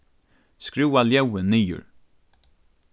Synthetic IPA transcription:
skɾʉːaljœwəniːʊ̰ɹ

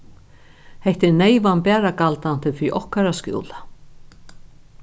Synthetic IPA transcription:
hɛht̪ɪɾneːjvanpɛːɾakalt̪an̥t̪ɪfɾiʔɔhkaɾaskjṵːla

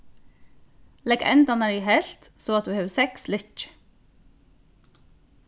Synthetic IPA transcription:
lɛɡɛ̰nd̪ɑnəɹiːhɛlt̪ | soːɑt̪̚d̪ʉːheːʋsɛkslʏt͡ʃ

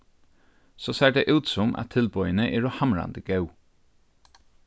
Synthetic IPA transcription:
sɔːseːɖɛʔʉːt̪sɔmʔa̰t̪ʰɪlbɔʏənəʔɛɹɔhamɹa̰nd̪əɡ̥œʊ

